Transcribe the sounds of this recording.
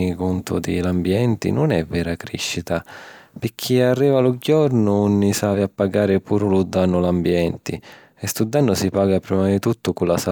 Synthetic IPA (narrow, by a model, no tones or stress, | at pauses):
ikunt̪ʊ̰d̪ɪlambjɛnt̪ɪ̰nʊnɛvːɛːɾakɾḭʃːit̪apɪkʰːiarːiːvalʊɟɔɾnʊunːisaviapːaɡaːɾɪpʰuːɾʊlud̪ːanːʊlambjɛnt̪ɪ | ɛst̪ud̪ːanːʊsipaːɡapɾiːmad̪it̪ut̪ːʊkulasa